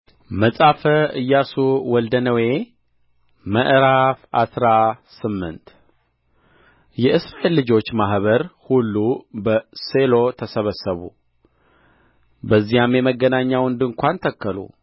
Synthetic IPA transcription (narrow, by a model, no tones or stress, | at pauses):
məsʼafəɨjːasuwɔld̪ənəwe̞ | məʔɾafasɾasɨmːɨ̰nt̪ | jɛʔɨsɾaʔe̞lːɨd͡ʒo̞t͡ʃːmaɦβəɾhulːubəse̞lo̞t̪ʰəsəβəsːəβṵ | bəzːijamjɛməɡːənaɲːawɨnd̪ɨŋkʷant̪ʰəkːəlṵ